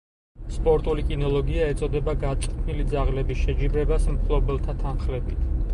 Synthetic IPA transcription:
spʼɔɾt̪ʼulikʼinɔlˠɔɡiaɛt̪sʼɔd̪ɛbaɡat̪sʼqʼt̪ʰmilid̪zaʁlɛbisʃɛd͡ʒibɾɛbasmχlˠɔbɛlˠt̪ʰat̪ʰanχlɛbit̪ʰ

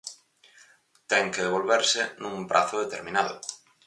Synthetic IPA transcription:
t̪ɛŋkeðeβ̞olβeɾsɪnũŋpɾʔa̰θʊðet̪eɾmĩnaðʊ̰

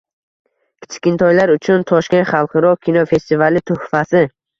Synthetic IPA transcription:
kʲʰɪ̥t͡ʃʰkʲɪnt̪ʰɒjlaɾʊt͡ʃʰʊnt̪ʰɒʃkʲenχɑlˠqʰɨɾɒkʲʰinofe̞st̪ivalɪt̪ʰɵhfasɪ

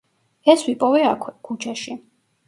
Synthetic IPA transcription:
ɛswipʼɔvɛakʰwɛkʰut͡ʃʰaʃi

